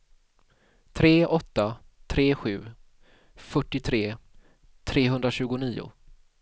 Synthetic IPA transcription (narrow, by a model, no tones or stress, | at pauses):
t̪ʰɾeːʔɔt̪ːa | t̪ʰɾeːɧʉ̟ː | fœʈːɪt̪ʰɾeː | t̪ʰɾeːɦɵnd̪ɾaɕʉ̟ːɡʊniːʊ̰